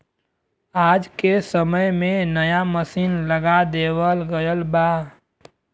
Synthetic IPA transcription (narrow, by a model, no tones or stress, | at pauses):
aːd͡ʒkesəməjmẽnəjaməsiːnləɡad̪eːwəlɡəjəlba